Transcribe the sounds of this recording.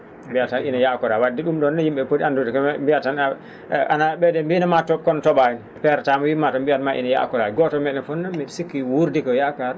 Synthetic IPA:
mbijatanʔinajakɔɾawadːiɗumɗɔnːajimbɛpədandudikmbiatan | ʔa̰naɓɛdɛmbinamatɔkɔntɔɓajin | pɛɾtamwimatɔmbijanmaʔḭnaja̰ʔkɔɾaɡɔtɔmɛɗɛfɔnːɔmisikːiwuɾdikɔjakaɾ

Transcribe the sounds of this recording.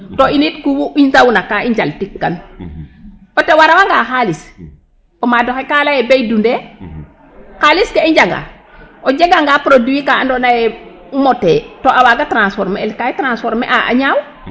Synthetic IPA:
toinitkuwuʔinzawnakaiɲd͡ʒaltikːan | otewaɾawaŋɡaxalis | omadoxekalajebejdunde | xaliskeiɲd͡ʒaŋɡa̰ | ʔod͡ʒeɡaŋɡapɾoduwikaːndonaje | motetoʔawaɡatɾansfɔɾmeːlkajetɾansfoɾmḛʔaʔa̰ɲaw

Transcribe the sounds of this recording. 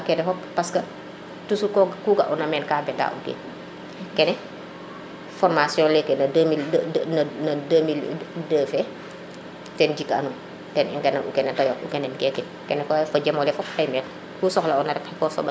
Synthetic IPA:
ɐkɛnɛfɔppɐskɐ | tusukɔɡkuːɡɐʔunɐmɛːnkaːbɛta̰ʔṵkḛː | kɛnɛ | fɔrmasjɔ̃ːlɛkːenɐmilnɐnɐdəːmildəːfɛ | tɛnɟikːɐ̰nu | tɛnḭŋkɛnɐnṵkɛnɛtɐjɔṵkɛnɛnkɛkːin | kɛnɛkɔfɐɟɛmɔlɛfɔp̚ɐjmɛːl | kuːsɔxlɐɔnɐɾɛkxɛkɔsɔ̰bɐ

